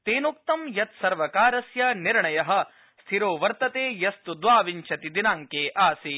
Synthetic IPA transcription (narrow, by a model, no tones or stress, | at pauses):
t̪eːnuk̚t̪ɐmjɐt̪̚sɐɾʋɐkaːɾɐsjɐniɾɳɐjɐɦɐ̆ | st̪ʰiɾoːʋɐɾt̪ɐt̪eːjɐst̪ud̪ʋaːʋiɲt͡ʃʰɐt̪id̪inaːŋkeːʔaːsi